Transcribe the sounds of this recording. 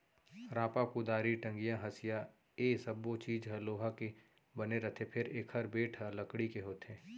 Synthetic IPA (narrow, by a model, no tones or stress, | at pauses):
ɾãːpakud̪aːɾiʈə̃ŋɡijãɦɐsɪja | eːsɐbːot͡ʃiːd͡ʒɦɐloːɦake | bɐneɾɐt̪ʰepʰɪɾeːkhɐɾbeːʈʰalɐkɽikeɦoːt̪ẽː